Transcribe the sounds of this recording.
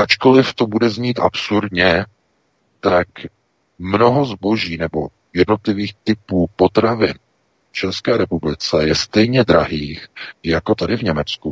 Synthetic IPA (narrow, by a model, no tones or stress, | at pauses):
ʔat͡ʃko̞lɪft̪o̞budɛzɲiːt̪ʔa̰psuɾdɲɛ | t̪ak | mno̞ɦo̞zbo̞ʒiːnɛbo̞ | jɛdno̞t̪lɪviːxt̪ɪpuːpo̞t̪ɾavɪn | ft͡ʃɛskɛːɾɛpublɪt͡sɛjɛst̪ɛjɲɛd̪ɾaɦiːxjako̞t̪adɪvɲɛmɛt͡sku